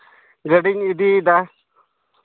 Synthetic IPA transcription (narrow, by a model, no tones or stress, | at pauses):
ɡɐɖiŋid̪id̪a